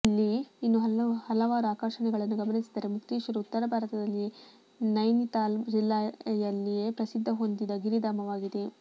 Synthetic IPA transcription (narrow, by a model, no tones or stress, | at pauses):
ilːiinːuɦɐhɐlɐʋaːɾuaːkaːʂɐɳɛɡɐɭɐnːuɡɐmɐnisi̥d̪ɐɾemukt̪iːʃʋɐɾuut̪ːɐɾɐbʱaːɾɐt̪ɐd̪ɐlːi | nɐjnit̪aːld͡ʒilːajɐlːije̞pɾɐsid̪ʱːɐɦo̞nd̪id̪ɐɡiɾid̪aːmɐʋaːɡid̪e̞